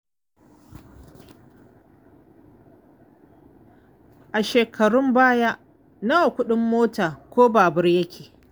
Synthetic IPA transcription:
ʔa˨ʃeː˨kʰɐ˨ɽʊ˦mbaː˦ja˦ʔ | na˦wa˨kʷʊ˦ɗɪ˦mːoː˦taː˨kʷoː˦baː˨bɐ˦rjɐ˦kʲʰeː˨

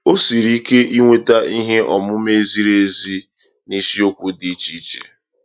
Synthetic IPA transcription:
o˦si˨ɾi˦ke˦ʔi˦ŋʷe˦ta˦i˦ɦe˦ʔɔ˨mʊ˦me˦zi˦ɾe˦zi˦ | ni˦si˦o˦kʷu˦di˨˦t͡ʃi˦t͡ʃḛ˨

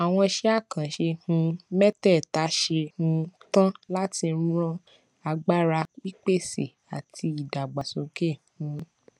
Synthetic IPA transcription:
a˨w̃ɔ̃˧ʃe˦a˦˨kã˨ʃe˧hũ˧mɛ˦tɛ˦˨ta˨˦ʃe˧hũ˧tã˦la˦ti˧n̩˦ɾ̃ɔ̃˦ | a˧ɡ͡ba˦˨ɾa˧k͡pi˦k͡pe˦˨sḛ˨ | a̰˨tʰi˧i˨da˨ɡ͡ba˨so˨˦ke˦˨hũ˨˧˦

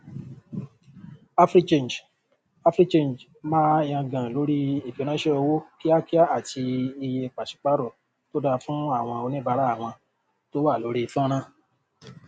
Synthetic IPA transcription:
a˦fɾi˦t͡ʃẽ˦˨n˨d͡ʒ | a˦fɾi˦t͡ʃẽ˦˨d͡ʒ | mãː˦j̃ã˧ɡã˨lo˨˦ɾi˦i˨fi˨˦nã˦ʃe˦ɔ˧wo˦ki˦a˦ki˦a˦a˨tʰi˧i˧je˧k͡pa˨ʃi̥˨k͡pa˦ɾɔ˦˨ | to˦da˧fũ˦a˦˨w̃ɔ̃˧o˧nĩ˦ba˧˦ɾa˦˨w̃ɔ̃˧ | to˦wa˦˨lo˨˦ɾi˦˧fɔ̃˦ñã˦

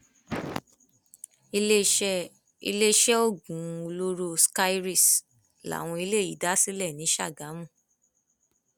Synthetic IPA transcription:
ḭ˧le˦ʃɛ˦o˦˨ɡũ˨˦˧lo˦ɾo˧ska˦i˦ɾi˦˨s | la̰˨w̃ɔ̃˧i˧le˦˨i˨˦da˦si˦lɛ˦˨nĩ˨˦ʃa̰˦˨ɡa˨˦mũ˦˨

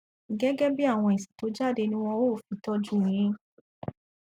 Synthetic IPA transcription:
ɡɛ˦ɡɛ˦bi˦a˦˨w̃ɔ̃˧i˨si̥˨to˨˦d͡ʒa˦˨de˧nĩ˦w̃ɔ̃˧o˦˨fi˨˦tɔ˧d͡ʒũ˦˨ĩ˧˦

